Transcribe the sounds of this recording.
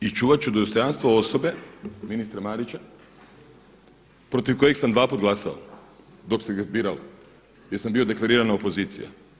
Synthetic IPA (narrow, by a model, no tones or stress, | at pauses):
it͡ʃuːʋat͡ɕud̪ost̪o̞janst̪ʋoo̞so̞be̞minist̪ɾamaɾit͡ɕa | pɾo̞t̪iʋko̞jeksamd̪ʋaːpuːt̪ɡlˠasao̰ | d̪o̞kseɡazbiːɾalo | jeɾsambiːo̞d̪e̞klˠaɾiːɾanaopo̞ziːt̪sḭja̰